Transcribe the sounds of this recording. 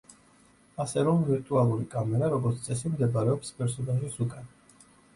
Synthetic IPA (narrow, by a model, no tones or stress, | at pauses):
asɛɾɔmviɾt̪ʼualˠuɾikʼamɛɾaɾɔɡɔɾt̪sʰt̪sʼɛs̬imd̪ɛbaɾɛɔpspʼɛɾsɔnaʒisukʼan